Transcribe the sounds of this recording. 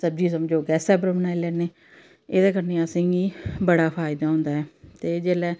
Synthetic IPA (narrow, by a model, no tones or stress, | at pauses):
səb̚d͡ʒiːsəməd͡ʒoːɡɛːsɛːbɾəmənaːilɛːneː | eːd̪eːkəɾneːaːsɪ̃ɡiːbəɽaːpʰaːɪd̪aːɦʊ̃nd̪aːɦɛːt̪eːd͡ʒeːlɛː